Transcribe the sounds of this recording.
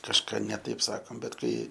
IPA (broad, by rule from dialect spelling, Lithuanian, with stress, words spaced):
kɐʃˈkɑː nʲɛ ˈtɐɪp ˈsɑːkoːm bʲɛt ˈkɐɪ